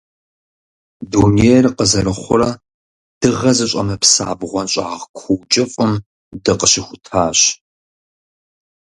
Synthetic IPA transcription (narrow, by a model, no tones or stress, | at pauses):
duːnejrqəzɐɾɨχʷʊɾɐ | d̥ɨʁɐzɨɕʼɐ̰mɐpsa̰ːbʁʷɔnɕʼaːʁkʷʰuːt͡ʃʼɪfʼɨm | dɨqəɕɪxʷʊtʰaːɕ